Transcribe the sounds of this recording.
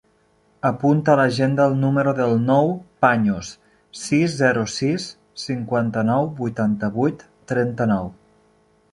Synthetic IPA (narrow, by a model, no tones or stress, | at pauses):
əpunt̪ələʒend̪əːlˠnuməɾuðəlˠnɔwpaɲus | sizːɛɾusisː | iŋkwant̪ənɔwbujt̪ant̪əβujt̪ːɾɛnt̪ənɔw